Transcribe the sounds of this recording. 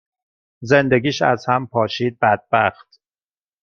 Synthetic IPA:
zend̪eɡiːʃæ̰zhæmpʰɒːʃiːd̪̚bæd̪̚bæxt̪

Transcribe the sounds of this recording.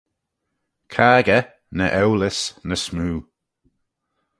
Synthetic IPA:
kʰaːɡə | nəʔɛwlɪsnəsmuː

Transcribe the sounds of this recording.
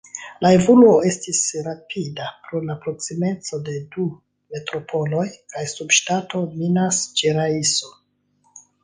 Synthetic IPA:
lae̞voluoe̞stisɾapʰidapɾolapɾo̞ksime̞t͡so̞de̞du | me̞tɾo̞pʰo̞lo̞jkajsubʃtato̞minast͡ʃeɾaiso

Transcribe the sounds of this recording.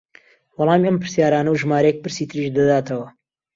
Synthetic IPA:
wɑlˠɑːmɐmpɨɾsjaːɾaːnɐwʒmaːɾejɛk̚pɨɾsiːt̪ʰɨɾiʃd̪ɐd̪aːt̪ʰɐwɐ

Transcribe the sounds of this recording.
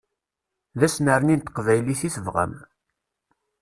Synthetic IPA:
ðæsnəɾənint̪ə̥qvæjliθiθəvʁə̰m

